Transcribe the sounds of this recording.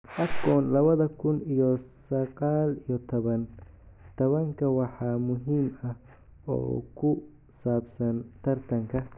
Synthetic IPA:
ʔɐɡɔːnlɐβɐðɐkʰʊnijɔsɐqɑːlijɔt̪ʰɔβɐnt̪ʰɔβɐŋkʰɐwɑħɑːmʊɦiːmɐh | ɔ̰ːkʰʊ | saːbsɐnt̪ʰɐrt̪ʰɐŋkʰɐ

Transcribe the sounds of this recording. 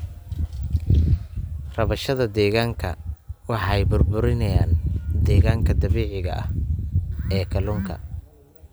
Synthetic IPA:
rɐβɐʃɐðɐd̪ɛːɣaːŋkʰɐ̰wɑħɑjbʊrbʊɾɪnɐjaːnd̪ɛːɣaːŋkʰɐd̪ɐβɛːʕɪɣɐ̰ʔɐ̰h | ɛːkʰɐlʊŋkʰɐ̰

